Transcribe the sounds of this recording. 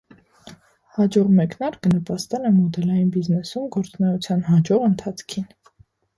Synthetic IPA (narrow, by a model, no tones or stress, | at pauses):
hɑd͡ʒɔʁmɛknɑɾkənəpɑst̪ɛnɛmɔd̪ɛlɑjinbiznɛsumɡɔɾt͡sunɛut͡sʰjɑnɦɑd͡ʒɔʁənt̪ʰɑt͡sʰkʰin